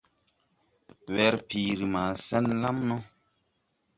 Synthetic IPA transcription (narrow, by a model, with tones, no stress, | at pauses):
wɛ˨ɾpiː˨ɾi˨maː˨sɛ˦nla˦mnɔ˦